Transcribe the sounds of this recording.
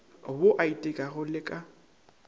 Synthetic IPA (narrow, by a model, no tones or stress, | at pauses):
boʔaitʼɪkʼaɣʊlɪkʼa